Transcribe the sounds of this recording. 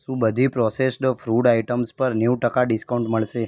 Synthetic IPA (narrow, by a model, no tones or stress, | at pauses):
sũbəd̪ʱipɾɔsesʈfɾuɽaiʈəmspəɾnjuʋʈəkaɖiskauɳʈməɭʃe